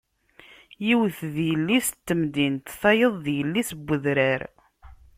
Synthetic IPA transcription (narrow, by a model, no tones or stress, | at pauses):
jiwθðjəlːist̪ːəmd̪int̪θɑjəðˤðjəlːisəbːəðɾæɾ